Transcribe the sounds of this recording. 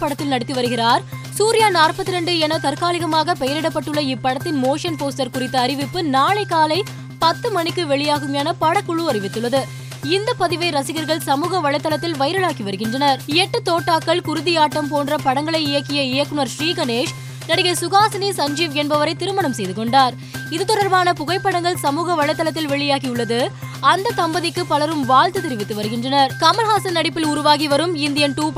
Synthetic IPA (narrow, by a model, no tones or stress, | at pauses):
pːɐɽɐt̪ːɪlnɐɽɪt̪ːɯʋɐɾɯɣɪɾaːɾ | suːɾɪjaːnaːɾpɐt̪ːɪɾɛɳɖɯɛnɐt̪ɐɾkaːlɪɣɐmaːɣɐpɛjɐɾɪɽɐpːɐʈːɯɭːɐɪpːɐɽɐt̪ːɪnmoːʂɐnpoːsʈɐɾkʊɾɪt̪ːɐːɾɪʋɪpːɯnaːɭɐɪkːaːlɐɪ | pɐt̪ːɯmɐnɪkːɯʋɛɭɪjaːɣɯmjaːnɐpɐɽɐkːʊɭɯɐɾɪʋɪt̪ːɯɭːɐðɯ | ɪnd̪ɐpːɐðɪʋɐɪɾɐsɪɣɐɾɣɐɭsɐmuːɣɐʋɐɭɐɪt̪ːɐlɐt̪ːɪlʋɐɪɾɐɭaːkiʋɐɾɯɣɪndrɐnɐɾɪɛʈːɯt̪oːʈːaːkːɐɭkʊɾʊðɪjaːʈːɐmpoːndrɐpɐɽɐŋɡɐɭɐɪɪjɐkːɪjɐɪjɐkːɯnɐɾʃɾiːkɐneːʂ | nɐɽɪɣɐɪsʊɣaːsɐnisɐɲd͡ʒiːʋɛnbɐʋɐɾɐɪt̪ːɪɾɯmɐɳɐmsɛjðɯkɔɳɖaːɾ | ɪðɯt̪ːɔɽɐɾbaːnɐpʊɣɐɪpːɐɽɐŋɡɐɭsɐmuːɣɐʋɐɭːɐt̪ːɐlɐt̪ːɪlʋɛɭɪjaːɣijʊɭːɐðɯ | ɐnd̪ɐt̪ɐmbɐðɪkːɯpɐlɐɾɯmʋaːɭt̪ɯt̪ɪɾɪʋɪt̪ːɯʋɐɾɯɣɪndrɐnɐɾkɐmɐlɣaːsɐnnɐɽɪpːɪlʊɾʊʋaːɣiʋɐɾɯmɪnd̪ɪjɐnʈuːp